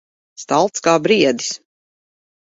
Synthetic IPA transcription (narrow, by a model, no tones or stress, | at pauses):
st̪alˠt̪skaːbɾiɛd̪i̥s